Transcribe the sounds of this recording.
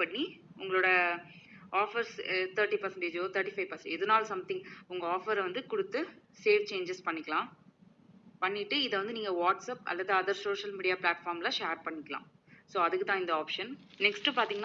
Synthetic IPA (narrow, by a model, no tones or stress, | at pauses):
pɐɳːi | ʊŋɡɐɭoːɽɐ | ʔaːfɐɾst̪ʰɐɾʈːipɐɾsɛɳʈeːd͡ʒoːt̪ʰɐɾʈifɐɪʋpɐɾsɛɳʈɛðɯnaːlsɐmt̪ɪ̃ŋɡʊŋɡɐaːfɐɾʋɐnd̪ɯkʊɽɯt̪ːɯseːʋt͡ʃeːɲd͡ʒɛspɐɳːɪkːɐɭãː | pɐɳːɪʈːɯɪðɐʋɐnd̪ɯniːŋɡɐʋaːʈsɐpɐ̰lːɐðɯɐðɐɾsoːʂɐlmiːɽɪjaːplaːʈfaːɾmlãʂeːɾpɐɳːɪkːɐlã̰ː | soːɐðɯkːɯt̪ãːɪnd̪ɐaːpʂɐnnɛksʈɯpaːɾt̪iŋɡɐn